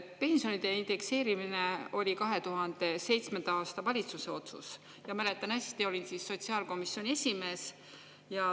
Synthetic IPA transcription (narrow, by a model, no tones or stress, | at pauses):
pe̞nsio̞nid̪̥e̞ind̪̥e̞kse̞ːɾimine̞o̞lʲikɑɦe̞t̪uɦɑnd̪̥e̞se̞jt̪sme̞nd̪̥ɑɑːst̪ɑvɑlʲit̪suse̞o̞t̪sṵs | jɑmæle̞t̪ːˑɑnɑsʲt̪io̞lʲinsisːo̞t̪siɑːlko̞misːjo̞nʲie̞sʲime̞ːs | jɑ